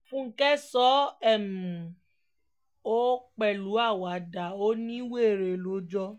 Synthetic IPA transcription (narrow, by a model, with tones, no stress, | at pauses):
fũ˦ŋ̩˦kɛ˦sɔ˦ɛ˦˨muũ˨ | o˦k͡pɛ˦˨lu˨˦a˦˨wa˨˦˨da˨o˦nĩ˦we˦˨ɾe˨lo˨˦d͡ʒɔ˧